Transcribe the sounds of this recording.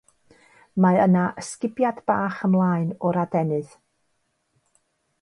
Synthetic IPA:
maənaʔəskɪbjadb̥aːχəmlˠaːɨnɔɾadɛnɨð

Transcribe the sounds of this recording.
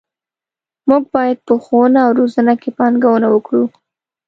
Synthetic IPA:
muɡ̚bɑjad̪̚pəxonaːwɾozanakepɑnɡawənawəkɽu

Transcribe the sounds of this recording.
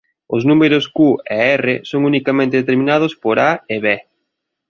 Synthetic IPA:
ʊznumeɾʊskuḛɛrḛsoŋunikamẽnt̪eðet̪eɾmĩnað̞ʊspoɾaeβe

